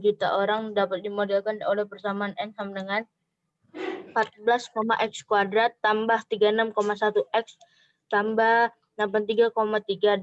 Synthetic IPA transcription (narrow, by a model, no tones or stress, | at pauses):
d͡ʒit̪a̰ʔoɾaŋdapat̪̚dimodalkanolɛhpərt̪amaːnɛnsamandəŋan | mpat̪̚bəlaskomaʔɛkskwadɾat̪ːambaht̪iɡaenamkomasat̪uʔɛks | t̪ambah | nambant̪iɡakomat̪iɡa